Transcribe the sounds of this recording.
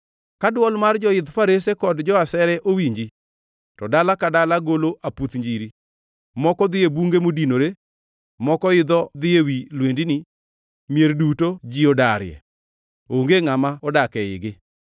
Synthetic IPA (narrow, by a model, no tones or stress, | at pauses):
kadwɔlmard͡ʒɔɪd̪faɾesekɔdd͡ʒɔasɛɾɛʔowiɲd͡ʒi | tɔdalakadalaɡoloʔaput̪ɲd͡ʒiɾi | mɔkɔd̪ɪebuŋɡemodinoɾe | mɔkɔɪd̪ɔd̪ɪewilwendinɪ | mjerdutod͡ʒiodaɾjɛ̰ | oŋɡeŋamaɔdakɛɪ̰ɡɪ